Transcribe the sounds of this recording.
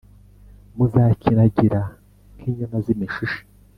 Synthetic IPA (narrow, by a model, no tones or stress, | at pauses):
muzaːcinaɟiɾa | ŋkiːɲamazimiʃiʃi̥